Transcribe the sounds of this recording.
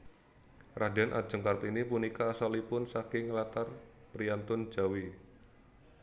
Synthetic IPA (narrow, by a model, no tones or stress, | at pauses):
rʔada̤nʔa̰d̥d͡ʒ̥ə̤ŋkart̪inipunikaːsalipʊnsakɪŋlat̪arpɾiant̪ʊn̥d͡ʒ̥a̤wi